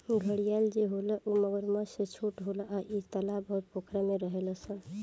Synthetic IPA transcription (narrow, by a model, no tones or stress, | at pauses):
ɡʱəɽijald͡ʒeɦoləʔuməɡəɾmaset͡ʃʰuʈɦoləʔaʔit̪əlabɔɾpokʰɾameɾəɦeləsən